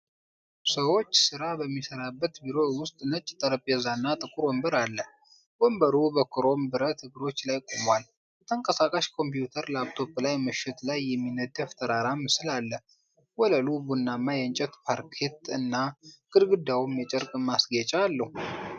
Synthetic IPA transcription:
səwo̞t͡ʃːsɨɾabəmːisəɾabːət̪biɾo̞wʊst̪ʼnət͡ʃʼːt̪ʼəɾəpʼjɛzanːat̪ʼɨkʼʊɾombəɾalːə | bombəɾubəkʰɨɾo̞mbɨɾət̪ʰɨɡɨɾo̞t͡ʃːlajkʼomwal | bət̪ʰəŋkʼəsakʼaʃkʰo̞mpjut̪ʰəɾləabt̪ʰo̞plajmɨʃːɪt̪lajːɛmːinəd̪aft̪ʰəɾaɾamːsɨlalːə | wɔləlubunːamːajɛɨnt͡ʃʼɛt̪pʰaɾkʰe̞t̪ɨnːaɡ̥ʼɨd̪ɡɨd̪awumjɛt͡ʃʼəɾkʼmasɡet͡ʃʼɛalːəhu

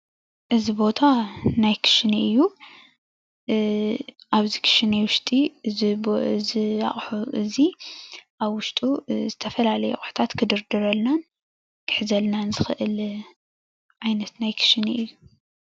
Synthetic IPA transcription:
ʔɨzibo̞t̪ʰanajkʰɨ̥ʃniɨjːu | ʔaβzikʰɨ̥ʃɨnewʊʃt̪ʼi | zɨa̰χʼħuʔɨziʔaβwʊʃt̪ʼuzɨt̪ʰɐfɐlalɐjuxʼʊħt̪ʰat̪kʰɨd̪ɨɾd̪ɨɾɐlnan | kʰɨ̥ħzɐlnanzɨxɨʔɨl | ʕajnɐt̪najkʰɨ̥ʃniɨjːu

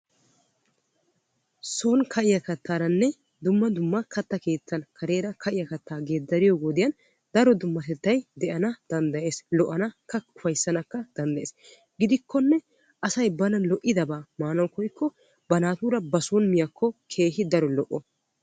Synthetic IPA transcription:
soːnkʰɐʔɪjɐkɐt̪ʰːaːɾɐnːɛ | d̪ʊmːɐd̪ʊmːɐkʰɐt̪ːɐke̞ːt͡sːɐnkʰɐɾe̞ːɾɐkʰɐʔɪjɐkɐt̪ːaːɡe̞ːd̪ːɐɾɪjoːɡoːd̪ɪjɐn | d̪ɐɾɔd̪ʊmːɐt̪ɛt̪ːɐjd̪ɛʔɐnɐd̪̥ɐnd̪ɐje̞ːslɔʔɐnɐkːɐʊfɐjsːɐnɐkːɐd̪̥ɐnd̪ɐʔeːs | ɡɪd̪ɪkːɔnːɛ | ʔɐsɐjbɐnɐnlɔʔːɪd̪ɐbaːmaːnɐwkɔjkʰːɔ | bɐnaːt̪uːɾɐbɐsonmɪjɐkʰːɔkʰe̞ːɦɪd̪ɐɾɔlɔʔɔ

